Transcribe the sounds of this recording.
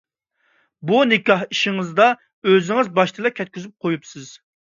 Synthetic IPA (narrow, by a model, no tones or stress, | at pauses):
bunɪkʲɑhiʃiŋɨzd̪ɑ | øzɪŋɪzbɑʃt̪ʰɨlˠɨkʲʰɛt̪̚ʲkʲyzyp̚qʰojupsɪz̥